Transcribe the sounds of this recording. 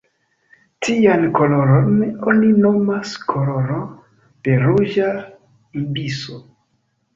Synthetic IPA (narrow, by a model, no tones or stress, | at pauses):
tʰiankoloɾononinomaskʰoloɾo | d̥eɾuʒa | imbiso